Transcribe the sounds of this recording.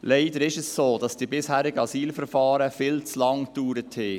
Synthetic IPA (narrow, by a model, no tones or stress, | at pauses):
leɪdəɾɪʃɛssoːd̥ɑsd̥iːbɪshæːɾɪɡəɑsiːlfəɾfɑːɾəfɪlt͡slɑŋtd̥uːɾəthɪː